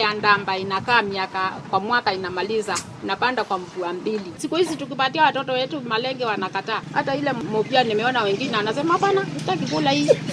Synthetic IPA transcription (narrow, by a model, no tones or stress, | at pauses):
jandambainakaːmiakakwamwakainamaliza | inapandakwaɱ̩vuambilisikuhizituk̬ipatiawatɔtɔwɛtumalɛŋɡɛwanakataːha̰tailɛmɔpianimɛɔnawɛŋɡinɛwanasɛmahapanakitak̬ivulahi